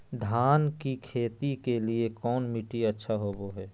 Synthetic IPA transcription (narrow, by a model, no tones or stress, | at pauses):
d̪ʱaːnkikʰeːt̪ikeliekɔːnmiʈiətːʃʰaɦoːboɦɛː